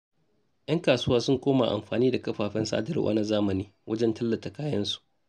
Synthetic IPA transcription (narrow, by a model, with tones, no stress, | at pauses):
jʔɐ˦ŋkaː˨sʊ˦waː˦sʊ˦ŋkʷoː˦ma̰˨ʔa̰˨mɸaː˨niː˦da˨kɐ˦ɸaː˨ɸɛ˦nsa̰ː˦dɐ˨rwʔa̰˦na˦zaː˦mɐ˨niː˦wʔɐ˦d͡ʒɛ˦ntɐ˦lːɐ˨ta˨kaː˦jɐ˦nsu̥˨ʔ